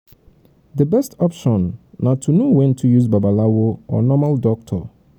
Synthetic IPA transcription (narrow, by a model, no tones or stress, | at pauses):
d̪əbɛstɔpʃɔ̃nːatʰunowɛ̃ntʰujuzbabalawoɔ̰nɔmaldɔk̚tʰɔ̰